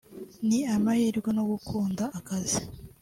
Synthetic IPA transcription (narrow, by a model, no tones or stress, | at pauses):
niamahiːɾɡono̞ɡukʰuːndaʔːkazi